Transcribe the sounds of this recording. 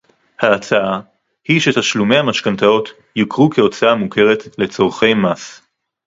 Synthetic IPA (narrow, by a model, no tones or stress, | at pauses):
haːt͡saa | hiʃet̪aʃlume̞jhamaʃkant̪ao̞t̪ | jikʁukeo̞t͡saamukʰe̞ʁet̪le̞t͡so̞ʁχe̞jmas